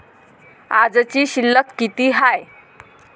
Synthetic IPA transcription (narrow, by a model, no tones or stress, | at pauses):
ad͡zt͡ɕiːɕilːəkːit̪iːɦaj